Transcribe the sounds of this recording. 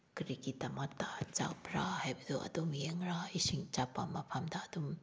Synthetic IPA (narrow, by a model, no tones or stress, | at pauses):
kɾikitamatat͡ʃa̰pɾahajbad̪uʔɐ̰d̪ɔmjeŋɾaisiŋt͡ʃapːamapʰamdaːd̪um